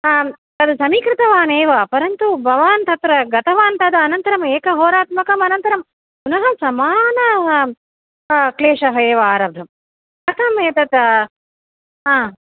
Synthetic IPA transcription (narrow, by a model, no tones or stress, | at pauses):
a | t̪ɐd̪sɐmiːkɾɪt̪ɐʋaːneːʋɐpɐɾɐnt̪ubʱɐʋaːnt̪ɐt̪ɾɐɡɐt̪ʰɐʋaːnt̪ɐd̪ɐnɐnt̪ɐɾɐmeːkɐɦoːɾaːt̪mɐkɐmɐnɐnt̪ɐɾɐm | kunɐɦɐsɐmaːnɐ | kleːʂɐɦɐeːʋɐaːɾabd̪ʱɐm | ɐk̪ɐmeːt̪ɐt̪ | ɦaː